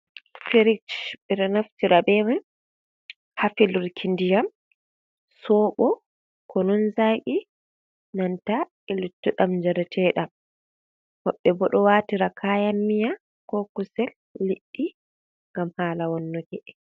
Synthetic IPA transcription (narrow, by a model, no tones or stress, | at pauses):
feɾikt͡ʃɓɛɗɔnaftiɾabɛmɛ | hafiluɾkʰindijam | sɔːɓɔ | kɔnɔnzaʔi | nanta | ɛlutːuɗamɲd͡ʒɛɾɛtʰɛːɗa | hɔɓːɛbɔɗɔwaːtiɾakʰaːjamːija | kɔkusɛlː | iʔːi | ŋɡamhaːlawɔnːɔɡɛʔɛ